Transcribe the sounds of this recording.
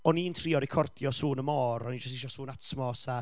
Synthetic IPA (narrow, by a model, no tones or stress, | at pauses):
ɔnintʰriɔɾɪkʰɔrdjɔsuːnəmɔːɾɔnid͡ʒʊstɪʃɔsuːnatʰmɔsa